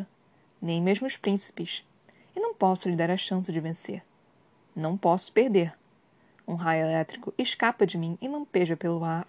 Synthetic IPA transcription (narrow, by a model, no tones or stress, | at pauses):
nẽj̃meʒmʊʃpɾĩsi̥pɪʃ | ɪnɐ̃w̃pɔsʊʎɪd̪aɾɐʃɐ̃sɪd͡ʒɪvẽsḛɾ | nɐ̃w̃pɔsʊ̥pehd̪eɾ | ũɦajʊelɛt̪ɾikʊʔɪʃkapɐd͡ʒɪmĩɪnɐ̃w̃peʒɐpelʊa